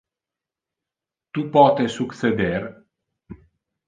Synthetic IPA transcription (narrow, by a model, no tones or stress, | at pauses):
t̪upɔt̪esukt̪sed̪er